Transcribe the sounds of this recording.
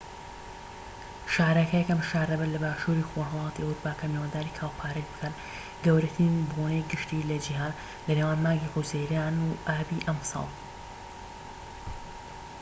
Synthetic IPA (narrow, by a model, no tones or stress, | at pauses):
ʃaːɾɐkɐjɛkɐmʃaːɾɐbɐlɐbaːʃuɾiːxoɦɐlˠɑːt̪iɐwɾupʰaːkamewaːnd̪aːɾikʰaːwpʰaːɾɐɡbɨkʰɐn | ɡɐwɾɐt̪ʰiːnbonej̚ɡɨʃt̪iːlɐd͡ʒiɦaːn | lɐnewaːnmaːɡiħuzejɾaːnuʔaːbiʔɐmsɑ̰ːlˠ